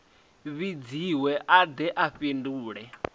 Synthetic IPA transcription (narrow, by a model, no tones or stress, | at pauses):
βid͡ziwɛʔad̪ɛʔaɸinduːɺɛ